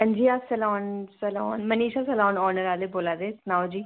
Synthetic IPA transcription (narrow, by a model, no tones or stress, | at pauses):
ə̃nd͡ʒiːaːpsəlɔːnsəlɔːnmɐniːʃasɐlɔːnɔːɾnəɾaːleboːlaːd̪eːsnaːod͡ʒiː